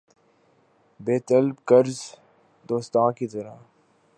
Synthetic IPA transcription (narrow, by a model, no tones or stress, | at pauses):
beːt̪əlbkəɾz | d̪oːst̪ãːkit̪əɾa̰